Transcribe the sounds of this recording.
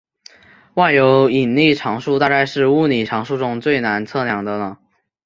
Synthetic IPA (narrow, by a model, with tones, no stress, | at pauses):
wa˥˩ɪjo˧˥ʊi˨˩nli˥˩ʈ͡ʂʰɑ˧˥ŋʂu˥˧t̪a˥˧ka˥˧ɪʂɻ̩˥˧u˥˩ni˨˩ʈ͡ʂʰɑ˧˥ŋʂu˥˧ʈ͡ʂʊ˥˧ŋt͡swe˥˩ɪna˧˥nt͡sʰɤ˥˩njɑ˧˥ŋd̪ə˧nə˧